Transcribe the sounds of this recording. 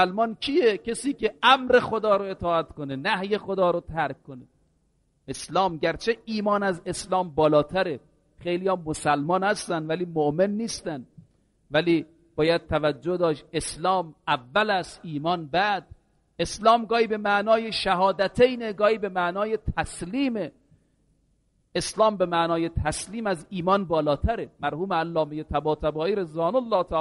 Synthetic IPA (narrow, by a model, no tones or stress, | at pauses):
lmɒːnkʰijecesiːkeʔæmɾe̞xod̪ɒːɾoet̪ʰɒːæt̪konenæhje̞xod̪ɒːɾot̪ʰæɾkkːone | eslɒːmɟæɾt͡ʃʰeiːmɒːnæzeslɒːmbɒːlɒːt̪ʰæɾe | xejlijɒːmosælmɒːnhæst̪ænd̪væliːmoʔmenːiːst̪ænd̪ | væliː | b̥ɒːjæd̪̚t̪ʰævæd͡ʒːohd̪ɒːʃe̞slɒːmævːælæst̪iːmɒːnbæd̪̚ | eslɒːmɡɒːhiːbemæʔnɒːjeʃæhɒːd̪æt̪ʰejneɡɒːhiːbe̞mæʔnɒːjet̪ʰæsliːme | eslɒːmbe̞mæʔnɒːjet̪ʰæsliːmæziːmɒːnbɒːlɒːt̪ʰæɾemæɾhuːmeælːɒːmejet̪ʰæbɒːt̪ʰæbɒːʔiːɾezvɒːnolːɒːt̪ʰæ